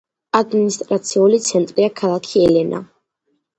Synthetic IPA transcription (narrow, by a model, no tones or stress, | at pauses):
ad̪minist̪ʼɾat̪sʰiulit̪sʰɛnt̪ʼɾiakʰalˠakʰiɛlɛnʔa̰